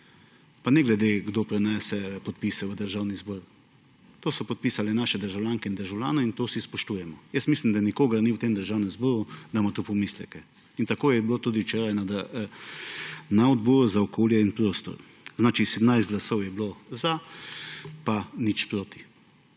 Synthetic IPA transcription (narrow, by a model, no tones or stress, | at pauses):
panɛɡlɛd̪eɡd̪opɾɛnɛːsɛpɔt̪̚pisɛʋəd̪əɾʒaːwnizbɔːɾ | t̪oːsɔpɔt̪̚pisalɛnaːʃɛd̪əɾʒawljaːŋkɛind̪əɾʒawlʲja̰ːnɔint̪oːsispɔʃt̪uːjɛmɔjəst̪mislimd̪anikoːɡaɾniwt̪emd̪əɾʒaːwnɛmzbɔːɾud̪amat̪upɔmislɛkɛ | int̪akoːjɛbilot̪uːd̪iwt͡ʃeːɾajna | naɔd̪bɔːɾuzaɔkʰoːljɛinpɾoːst̪ɔ̰ɾ | znaːt͡ʃisɛd̪mnajst̪ɡlasɔwjɛbloza | panit͡ʃpɾoːt̪i̥